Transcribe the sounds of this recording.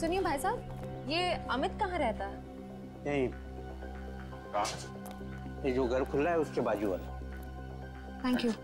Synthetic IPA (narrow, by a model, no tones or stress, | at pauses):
sʊniẽbʱaːjsaːb̚ | jeːɐmɪt̪kɐɦãɾɛɦt̪aɦɛː | nɐɦĩ | kaː | jed͡ʒoːɡʱɐɾkʰʊlːaɦɛʊskebaːd͡ʒua̰l | t̪ʰɛ̃ːŋkjuː